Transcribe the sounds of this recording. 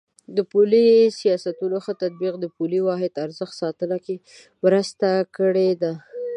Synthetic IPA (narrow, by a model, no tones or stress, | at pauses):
d̪əpulisijɑsat̪unoxət̪ad̪̚biqd̪əpuliwɑɦɪd̪aɾzəxt̪sɑt̪əlake | mɾəst̪akəɽed̪a